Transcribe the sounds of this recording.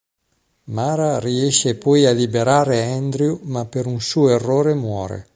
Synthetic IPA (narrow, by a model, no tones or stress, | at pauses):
maːɾariɛʃepɔjalibeɾaːɾeɛnd̪ɾjumapeɾunsuːoerːoːɾemwɔːɾḛ